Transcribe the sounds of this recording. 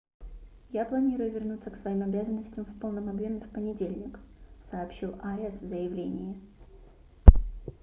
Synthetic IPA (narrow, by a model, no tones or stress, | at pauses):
japlˠɐnʲiɾʊjʊvʲɪrnut̪səksvɐimɐbʲazənːəsʲtʲɪmfpo̞lˠnəmɐbjomʲɪfpənʲɪdʲelʲnʲɪksɐːpɕilˠɐɛsvzəjɪvlʲenʲɪjɪ